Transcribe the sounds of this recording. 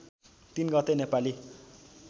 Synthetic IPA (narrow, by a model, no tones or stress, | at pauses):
t̪inɡʌt̪enepali